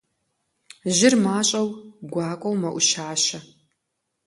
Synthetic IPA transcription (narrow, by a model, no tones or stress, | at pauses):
ʒɪrmaːɕʼɐwɡʷaːkʷʼɐwmɐʔʷʊʃaːʃɐ